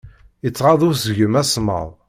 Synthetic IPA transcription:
jət͡sːʁɑðˤʊɾsʝəmæsmə̰ðˤ

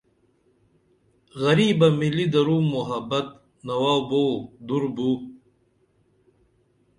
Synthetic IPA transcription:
ɣɐɾiːbɐmilid̪ɐɾuːmːuɦɐbɐt̪̚ | nɐwaːwbod̪uɾbuː

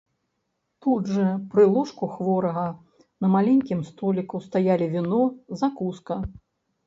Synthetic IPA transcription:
t̪udʐɐpɾɨlˠɔʂkuxvɔɾɐɣɐ | nɐmalʲɛnʲkʲimst̪ɔlʲikust̪ajalʲivʲinɔzakuskɐ

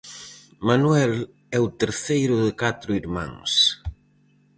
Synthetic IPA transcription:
manwɛl | ɛʊt̪eɾθejɾʊðɪkat̪ɾʊiɾmã̰ŋs

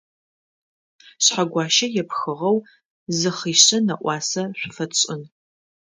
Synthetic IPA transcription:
ɕħaɡʷɑːʃɐjɛpxɨʁɐw | zɨχiːɕɐnɐʔʷʼɑːsɐɕʷʊfɐɕʼɪn

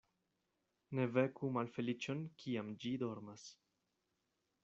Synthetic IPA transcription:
ne̞ve̞kumalfe̞lit͡ʃo̞nkʰiamd͡ʒido̞ɾmas

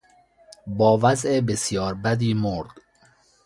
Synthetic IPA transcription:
bɒːvæzebesjɒːɾbæd̪iːmoɾd̪̥

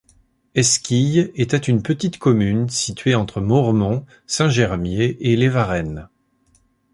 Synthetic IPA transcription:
ɛskʲijet̪ɛt̪ynpət̪it̪kɔmynsit̪ɥeɑ̃t̪χəmɔʁmɔ̃ | sɛ̃ʒɛʁmjeʔelevaʁɛn

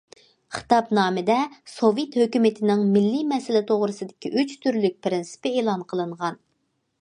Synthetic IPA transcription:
χɨ̥t̪ɑpnɑːmɨd̪ɛsovjet̪høkʲymɪt̪ʰɪnɪŋmɪlːimɛsɪlɪt̪ʰoʁɾɨsɨd̪ɪkʲʰiʔyt͡ʃt̪ʰyɾlyk̚ʲpʰɪɾɪnsɪ̥pɪeːlˠɑnqʰəlˠɨɴʁɑn

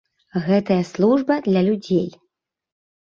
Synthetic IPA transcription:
ɣɛt̪ɐjɐslˠuʐbɐd̪lʲɐlʲud͡zʲej

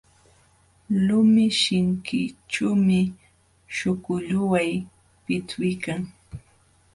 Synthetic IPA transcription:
lʊmɪʃɪŋkɪt͡ʃuːmɪ | ʃʊkʊʎʊwaj | pɪt͡sʊjkaŋ

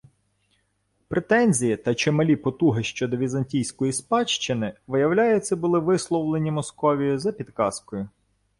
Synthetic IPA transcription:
pɾet̪ɛnʲzʲijit̪ɐt͡ʃemɐlʲipɔt̪uɦɪʃt͡ʃɔd̪ɔʋʲizɐnʲtʲijsʲkɔjispɑt͡ʃt͡ʃɪnɪʋɪjɐwlʲajʊt͡sʲːɐbʊlˠɪʋɪslˠɔwlˠenʲimɔskɔʋʲijʊzɐpʲid̪kɑskɔjʊ

